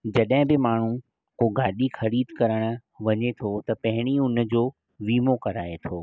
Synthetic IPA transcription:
d͡ʑɐɗɦɪ̃bɪmaːɳ̤ũ | koɡaːɗixɐɽiːd̪kɐɾəɽ̃ə̆ʋɐɲet̪ʰot̪ɐpɐɦɪɽ̃iʊnə̆d͡ʑoː | ʋiːmokɐɾaːet̪ʰoː

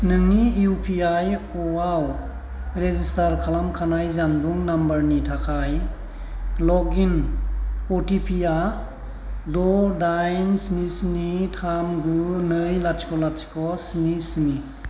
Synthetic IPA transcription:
nɯŋnijupʰiaj | ɔaw | ɾezistaɾkʰalamkʰanajzanduŋnambəɾnitʰakʰaj | lɔɡin | otipʰia | dɔdajnsinisinitʰamɡunɯjlasi̥kɔlatsi̥kɔsinisini

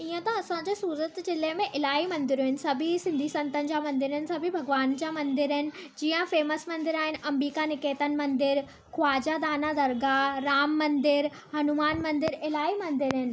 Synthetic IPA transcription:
iə̃t̪ɐɐsãd͡ʑesuːɾət̪d͡ʑɪlmẽʔɪlaːimɐ̃nd̪ɪɾuɦɪnɪ̆sɐbʱisɪ̃nd̪ʱisɐ̃nt̪ənɪ̆d͡ʑamɐ̃nd̪ɪɾənɪ̆sɐ̃bʱibʱɐɡʋaːnd͡ʑamɐ̃nd̪ɪɾɦɪnɪ̆d͡ʑiːə̃feːməsmɐ̃nd̪ɪɾaːɦɪnɪ̆ʔɐmɾiːkanɪkeːt̪ənɪ̆mɐ̃nd̪ɪɾ | xʊaːd͡ʑad̪aːnad̪ɐɾɡaɾaːmːɐ̃nd̪ɪɾ | hɐnumaːnmɐ̃nd̪ɪɾɪlaːimɐ̃nd̪ɪɾɦɪnɪ̆

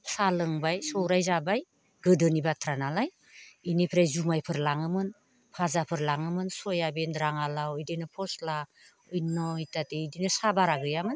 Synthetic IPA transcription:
salɯŋbajsɔwɾajzabaj | ɡɯdɯnibatʰɾanalaj | inipʰɾajzumajpʰɯɾlaŋɯmɯn | pʰazapʰɯɾlaŋɯmɯnsɔjabendɾaŋalawɔjdinɔpʰɔsla | ɔjnɔitatedinɔsabaɾaɡɯjamɯn

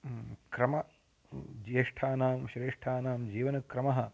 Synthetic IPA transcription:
kɾɐmɐ | d͡ʒieʂʈʰaːnaːmʃɾeːʂʈʰaːnaːmd͡ʒiːʋɐnɐkɾɐmɐɦɐ̆

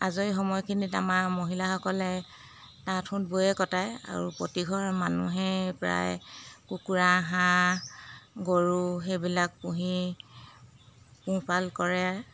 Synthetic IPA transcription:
azoixɔmɔjkʰinitamaɹmoɦilaxɔkɔlɛ | tatʰʊ̃nbojɛkɔtaja̰ɹupɹotiɡʱɔɹmanuɦɛpɹa̰jkukuɹaɦã | ɡoɹuxebilak̚puɦi | pũpalkɔɹɛaɹ

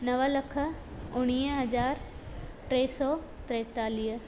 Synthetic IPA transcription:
nɐʋəlɐkʰə̆ | ʊɽ̃iːɦɐd͡ʑaːɾ | ʈɾɛːsɔː | t̪ɾɛːt̪aːliɦə

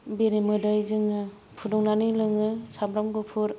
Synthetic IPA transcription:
beɾimɯdajzɯŋɯ | pʰudɔŋnanilɯŋɯsamɾamɡɯpʰuɾ

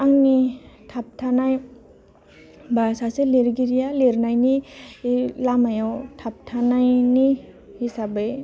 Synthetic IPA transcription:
aŋnitʰap̚tʰanaj | basaseleɾɡiɾijaleɾnajni | lamajawtʰap̚tʰanajni | hisabe

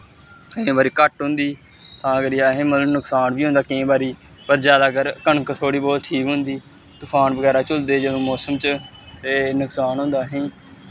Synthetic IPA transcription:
kəẽːbaːɾiːkəʈɦʊ̃nd̪iː | t̪ãːəɡəɾjaːɦẽːmət̪ləbnʊksaːnʋiːɦʊ̃nd̪aːkɪẽːbaːɾiː | pəɾd͡ʒjaːd̪aːɡəɾkəɳkət̪ʰoːɽiːbɔːt̪ʈʰiːkɦʊnd̪iː | t̪ʊpʰaːnbəɡɛːɾaːt͡ʃʊld̪eːd͡ʒəd̪õːmɔːsəmt͡ʃ | t̪eːnʊksaːnɦʊ̃nd̪aːɦẽː

